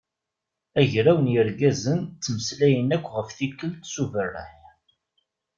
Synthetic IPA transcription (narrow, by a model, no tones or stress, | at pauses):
æʝɾæwənjəɾɡæzənt̪ːməslæjənækʷːʁəfθikːəlt̪suvərːa̰ħ